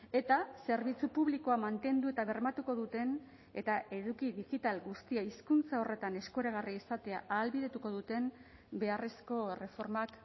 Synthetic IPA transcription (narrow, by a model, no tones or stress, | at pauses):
e̞t̪ase̞ɾβ̞it͡supuβliko̞amant̪e̞nd̪ue̞t̪aβe̞ɾmat̪uko̞ðut̪e̞n | e̞t̪ae̞ðukiðiɣit̪alɡust̪iaiskunt͡sao̞re̞t̪ane̞sko̞ɾaɣ̞ariisat̪e̞aʔaːlβiðe̞t̪uko̞ðut̪e̞m | be̞are̞sko̞re̞fo̞ɾmak